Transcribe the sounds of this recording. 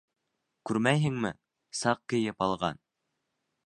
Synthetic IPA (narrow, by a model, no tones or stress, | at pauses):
kʉɾmæjɦɘ̆ŋmɘ̰ | sɑq̚kɘ̆jɘpɑlˠʁɑ̰n